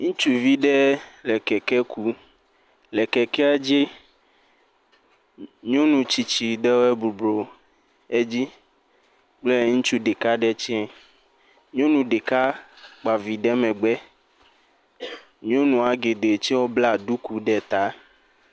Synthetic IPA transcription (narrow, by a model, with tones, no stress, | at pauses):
ŋũ˦t͡ʃu˦vi˦ɖɛ˦lɛ˨kɛ˨kɛ˦ku˦ | lɛ˨kɛ˨kɛ˦a˦d͡ʒi˦ | ɲ˦õ˦nũ˨t͡ʃi˨t͡ʃi˨ɖɛ˦wo˦ɛ˦bu˨blo˨ | e˦d͡ʑi˦ | k͡plɛ˦ŋũ˦t͡ʃu˦ɖe˨ka˦ɖɛ˦t͡ʃɛ˦ | ɲõ˦nũ˨ɖe˨ka˦k͡pa˨vi˨ɖɛ˦mɛ̃˨ɡ͡bɛ˦ | ɲ˦õ˦nũ˨a˨ɡe˨d̪e˨t͡ʃi˦wɔ˦bla˦˨ɖu˦ku˨ɖɛ˨t̪a˦